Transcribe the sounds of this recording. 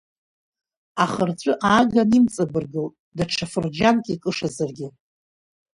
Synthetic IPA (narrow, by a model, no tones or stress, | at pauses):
aχərt͡ɕʷʼʊʔaːɡanimt͡sʼabɨrɡɨltʼdaʈ͡ʂʰafɨrd͡ʒankʼikʼɨʂazarɡʲɪ